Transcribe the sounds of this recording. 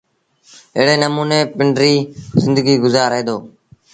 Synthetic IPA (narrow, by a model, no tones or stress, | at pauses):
ɪ̰ːɽeːnəmuːneːpɪɳɖɾiːzɪ̃nd̪əɡiːɡʊzaːɾɦẽːd̪oː